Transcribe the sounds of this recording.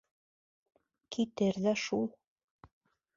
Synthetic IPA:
kʰit̪ɘɾðæʃulˠ

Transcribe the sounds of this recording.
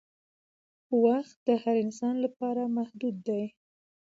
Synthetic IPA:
waxt̪̚d̪əhaɾɪnsɑnlapɑɾamahd̪ud̪ːaj

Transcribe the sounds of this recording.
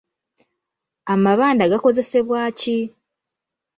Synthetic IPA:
amaβaːndaɡako̞ze̞se̞βwaːci

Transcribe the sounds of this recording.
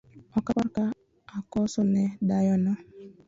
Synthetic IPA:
ɔkapaɾka | akɔsɔnɛdajɔnɔ

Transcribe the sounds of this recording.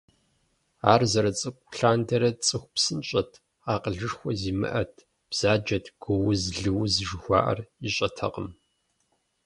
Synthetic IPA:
a̰ːrzɐɾɐt͡sʼɨkʷʼɬaːndʰɐɾɐt͡sʼɨxʷpsɨnɕʼɐtʰ | aːqəɮɨʂxʷɔziːmɨ̰ʔɐtʰ | b̥z̥aːd͡ʒɐtʰɡ̥ʷɔwʊzɮɨwzɨʒɨxʷɑ̰ːʔɐ̰riɕʼɐtʰɐ̰qəm

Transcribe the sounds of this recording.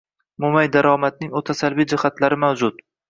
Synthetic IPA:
mʊmajd̪aɾɒmat̪̚nɪŋot̪ʰasalvid͡ʒɪhat̪laɾɪmawd͡ʒʊt̪

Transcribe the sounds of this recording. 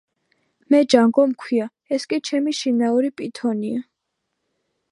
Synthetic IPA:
mɛd͡ʒaŋɡɔmkʰwia | ɛskʼit͡ʃʰɛmiʃinauɾipʼit̪ʰɔnia

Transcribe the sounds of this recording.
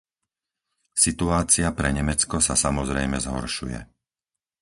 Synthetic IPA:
sit̪uaːt͡sɪapɾɛɲɛmɛt͡skɔsasamɔzɾɛjmɛzɦɔ̰ɾʃujɛ̰

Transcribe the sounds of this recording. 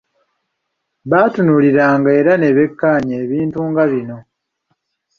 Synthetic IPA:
βaːtunuliɾaːŋɡae̞ɾane̞βe̞kːaːɲeːβiːntuːŋɡaβino̞

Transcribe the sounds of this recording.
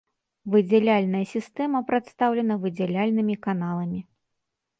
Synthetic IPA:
vɨd͡zʲɛlʲalʲnɐjɐsʲist̪ɛmɐpɾat̪st̪awlʲɛnɐvɨd͡zʲɛlʲalʲnɨmʲikanalˠɐmʲi

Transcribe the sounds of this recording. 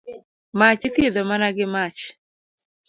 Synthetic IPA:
mat͡ʃt̪jed̪omanaɡɪmat͡ʃ

